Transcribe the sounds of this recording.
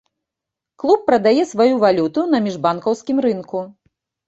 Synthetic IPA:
klˠupːɾɐd̪ajɛsvajuvalʲut̪unɐmʲiʐbankɐwskʲimɾɨnku

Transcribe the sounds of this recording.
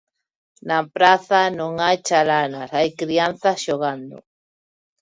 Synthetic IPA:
napɾaθanoŋajt͡ʃalanaɾajkɾianθaʃoɣand̪o̰

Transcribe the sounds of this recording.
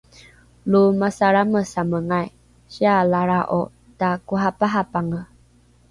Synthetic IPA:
lumasaɾaməsaməŋaj | ɕialaɾaʔo | takuɦapaɦapaŋə

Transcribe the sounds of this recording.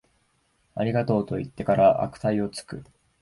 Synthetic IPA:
aɾʲiɡat̪o̞ːt̪o̞it̪ːe̞kaɾaʔa̰kɯ̟̥t̪aio̞t͡sɨ̥kɯ̟

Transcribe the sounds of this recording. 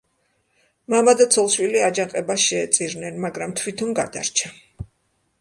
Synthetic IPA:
mamad̪at̪sʰɔlˠʃwiliad͡ʒaŋqʼɛbaʃɛːt̪sʼiɾnɛnmaɡɾamt̪ʰwit̪ʰɔnɡad̪a̰ɾt͡ʃʰa

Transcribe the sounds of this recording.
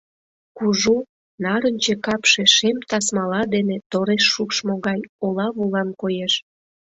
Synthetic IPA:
kuʒu | nɑɾənʲt͡ɕekɑpʃe̽ʃemt̪ɑsmɑlɑd̪enet̪oɾeʃːukʃmoɣɑjolɑβulɑnkojeʃ

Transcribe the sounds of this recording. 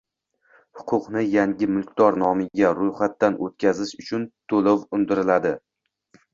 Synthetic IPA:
hʊ̥qʰʊqnɪjaŋɡʲɪmʊlˠkʲd̪ɒɾnɒmɪɡʲaɾʊjχat̪ːanʔot̪̚kʲʰazɪʃʊt͡ʃʰʊnt̪ʰolowʊnd̪ɪɾɪlad̪ɪ

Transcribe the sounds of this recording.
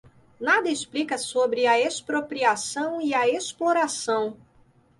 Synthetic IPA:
nad̪ɐɪsplikɐsobɾɪɐespɾopɾiasɐ̃w̃iɐesploɾasɐ̃w̃

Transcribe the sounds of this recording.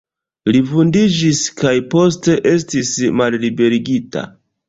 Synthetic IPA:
livundid͡ʒiskajpo̞s̬te̞ʔe̞s̬tismallibe̞ɾiɡita̰

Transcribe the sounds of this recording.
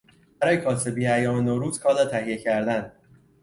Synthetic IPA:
bæɾɒːjekʰɒːsebiæjɒːmenoɾuːz̥kʰɒːlɒt̪ʰæhijecʰæɾd̪æn

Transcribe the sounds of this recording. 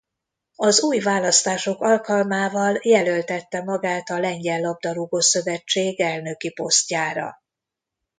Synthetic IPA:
ɒzuːjvaːlɒst̪aːʃo̞kɒlkɒlmaːvɒljɛlølt̪ɛt̪ːɛmɒɡaːt̪ɒlɛɲɟɛlːɒb̚d̪ɒluɡosø̞vɛt͡ʃːeːɡɛlnø̞kipo̞scaːɾɒ̰

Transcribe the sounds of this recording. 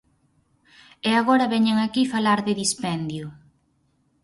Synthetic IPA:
eaɣɔɾɐβɛɲeŋakifalaɾðɪðispɛnd̪jʊ

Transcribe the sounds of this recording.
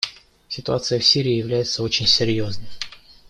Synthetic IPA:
sʲɪt̪ʊat̪sɨjəfsʲiɾʲɪːjɪvlʲæjɪt̪səo̞t͡ɕɪnʲsʲɪɾʲjo̞znɨm

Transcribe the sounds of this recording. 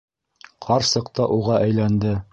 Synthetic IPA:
qʰɑɾsɤ̆qt̪ɑʔuʁɑʔæjlænd̪ɘ

